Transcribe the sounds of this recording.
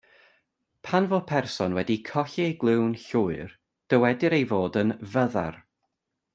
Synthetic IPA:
pʰanvopʰɛrsɔnwɛdikʰɔɬiejɡlˠɪwnɬʊːɨr | d̥əwɛdɪɾejvoːdənvəða̰r

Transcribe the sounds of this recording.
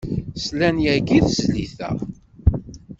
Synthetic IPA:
slænjæɡiθzlḭθæ̰

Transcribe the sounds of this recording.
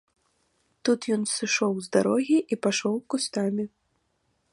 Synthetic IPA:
t̪ut̪jɔnsɨʂɔwzd̪aɾɔɣʲiʔipaʂɔwkust̪amʲi

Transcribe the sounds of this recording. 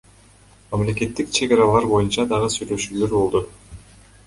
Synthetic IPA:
mɑmle̞ke̞t̪ːikt͡ʃʰe̞ɡɑɾɑlˠɑɾbo̞junt͡ʃɑd̪ɑʁɯsyjlø̞ʃyːlø̞ɾbo̞lˠd̪u

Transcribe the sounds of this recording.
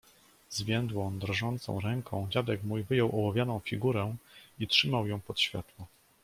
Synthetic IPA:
zvʲjɛnd̪wɔ̃d̪ɾɔʐɔnt̪sɔ̰̃w̃ɾɛŋkʰɔ̃w̃d͡ʑad̪ɛkmujvɘjɔwʔɔwavʲjanɔ̃w̃fʲiɡuɾɛitʂɘmawjɔ̃w̃pɔt̪ɕfʲjat̪wɔ

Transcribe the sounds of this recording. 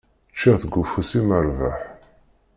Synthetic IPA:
t͡ʃːæθɡʷufusiməɾvaħ

